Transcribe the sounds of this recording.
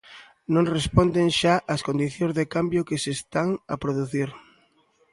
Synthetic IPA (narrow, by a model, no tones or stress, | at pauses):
nõŋrespond̪eŋʃaʔɐskond̪iθjõŋzðekambjʊkɪsest̪aŋɐpɾoðuθiɾ